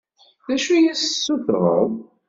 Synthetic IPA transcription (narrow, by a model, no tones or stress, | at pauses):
ðæʃujissːuθʁˤə̰ðˤ